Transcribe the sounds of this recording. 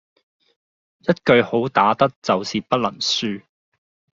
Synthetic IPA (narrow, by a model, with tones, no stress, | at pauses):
jɐ˥t̚kɵ˧ɥho˨˥wt̪aː˨˥t̪ɐ˥k̚t͡sɐ˨wsiː˨pɐ˥t̚lɐ˨˩ŋsyː˥˧